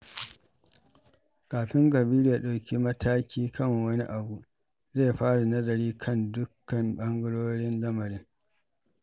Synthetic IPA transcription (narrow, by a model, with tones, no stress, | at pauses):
kaː˨ɸɪ˦ŋɡɐ˨bi˦ɾi˦ja˨ɗa˨wkʲi˦mɐ˦tʰaː˦kʲiː˦kʰɐ˦˨ŋwɐ˦ni˦ʔa˨bu˨ | zeː˦˨ɸaː˦ɽu˨nɐ˦zɐ˨ɾiː˦kʰɐ˦˨ndʊ˦kːɐ˨mɓɐ˦ŋɡʊ˦ɽoː˦ɽɪ˦nlɐ˦mɐ˨ɾɪ˦ŋ